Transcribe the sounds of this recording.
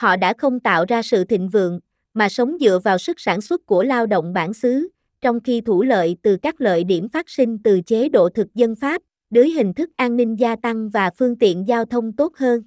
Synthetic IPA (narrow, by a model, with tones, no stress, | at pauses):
hɔ̰˧˨ɗa̰ː˧˥xə˧wŋ͡mt̪a̰ː˧˨wzaː˧sɨ̰˧˨t̪ʰḭ̈˧˨ŋ̟vɨ̰˧˨əŋ | maː˨˩sə˨˦wŋ͡mzɨ̰˧˨əvaː˨˩wsɨ˦˥k̚saː˧˩nswə˦˥t̚ku˧˩əlaː˧wɗo̰˧˨wŋ͡mɓaː˧˩nsɨ˨˦ | t͡ɕɔ˧wŋ͡mxi˧t̪ʰu˧˩lə̰ː˧˨jt̪ɨ˨˩kaː˦˥k̚lə̰ː˧˨jɗi˧˩əmfaː˦˥t̚si˧ŋ̟t̪ɨ˨˩t͡ɕe˨˦ɗo̰˧˨t̪ʰɨ˨˩k̚zə˧nfaː˦˥p̚ | ɗəː˨˦jɦï˨˩ŋ̟t̪ʰɨ˦˥k̚ʔaː˧nːï˧ŋ̟zaː˧t̪a˧ŋvaː˨˩fɨ˧əŋt̪ḭ˧˨ənzaː˧wt̪ʰə˧wŋ͡mt̪o˦˥t̚həː˧n